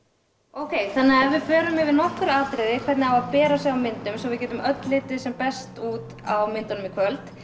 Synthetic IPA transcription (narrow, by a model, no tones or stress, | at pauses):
owkʰeːjθanːaavɪðfœːɾʏmɪvɪðnɔhkʏɾaːt̪ɾeːðɪkʰvɛɾt̪nɪavaðpɛːɾasjɛɣawmɪnt̪ʏmsɔvɪðcɛːt̪ʏmʔœt̪lɪːt̪ɪsɛmpɛst̪uːt̪ | awmɪnt̪ʏnʏmikʰvœlt̪